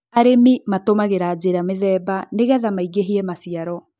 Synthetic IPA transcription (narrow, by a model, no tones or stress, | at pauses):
aɾemimatomaɣeɾaːd͡ʑeɾameðɛːbaneɣɛðamaiɡeɦiɛmasiaɾɔ